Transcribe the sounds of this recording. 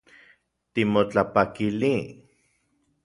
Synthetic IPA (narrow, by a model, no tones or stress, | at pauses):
t̪imot͡ɬapakili